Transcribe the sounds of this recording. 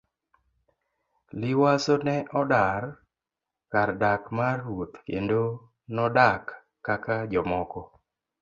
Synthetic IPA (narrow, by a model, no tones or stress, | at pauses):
liwasonɛʔɔdar | kardakmarot̪kḛndo | nɔdakː | akad͡ʒɔmɔkɔ